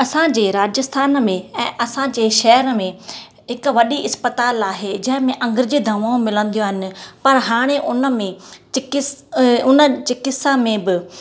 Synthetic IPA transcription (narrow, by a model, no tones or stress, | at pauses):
ɐsãd͡ʑeːɾaːd͡ʑəst̪ʰaːnmẽɛ̃ːʔɐsãd͡ʑeːʃɛɦɾmẽ | ɦɪkʋɐɗiʔɪspət̪aːlaːɦed͡ʑɐ̃ɦɪ̃mẽʔɐ̃ŋɡəɾɪd͡ʑid̪ʱɐmaːõmɪlə̃n̆d̪ijoaːɦɪnɪ̆pɐɾɦaːɽ̃eʔʊnəmẽt͡ɕɪkɪsʊnət͡ɕɪkɪsamẽbɪ